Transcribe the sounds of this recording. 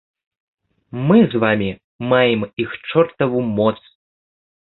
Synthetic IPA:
mɨzvamʲi | majɛmixt͡ʂɔrt̪ɐvumɔt̪s

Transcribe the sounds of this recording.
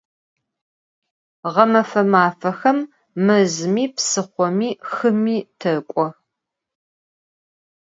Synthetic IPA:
ʁɐmɐfɐmaːfɐxɐmː | ɨzɨmiːpsɨχʷɔmiːxɨmiːtʰɐkʷʼɔ

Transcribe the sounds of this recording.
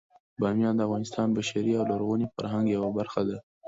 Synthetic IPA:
bɑmjɑnd̪əafvɣɑnɪst̪ɑnbaʃaɾiawlaɾɣunifa̰ɾɦaŋɡjawabaɾxad̪a

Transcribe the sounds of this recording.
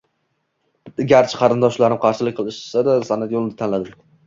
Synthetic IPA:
ɪɡʲaɾt͡ʃʰɪ̥qʰɑɾɪnd̪ɒʃlaɾɪmqʰɑɾʃɪlɪkʲqʰɨlˠɪʃsad̪asanat̪jolˠɪnɪt̪ʰanlad̪ɪm

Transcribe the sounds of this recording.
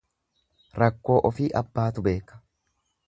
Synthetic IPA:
ɾɐkːo̞ːʔɔfiːʔɐbːaːt̪ʊbe̞ːkːɐ̥

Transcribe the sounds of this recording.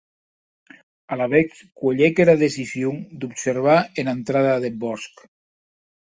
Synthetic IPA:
alaβeks | kweʎekeɾaðesisjuŋd̪upseɾβ̞aenant̪ɾaðaðebɔsk

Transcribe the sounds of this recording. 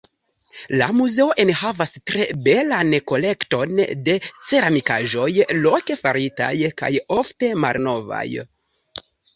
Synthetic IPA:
lamuze̞o̞ʔe̞nhavastɾe̞be̞lanko̞le̞kto̞nde̞t͡se̞ɾamikaʒo̞jlo̞ke̞faɾita̰jka̰jo̞fte̞malno̞va̰j

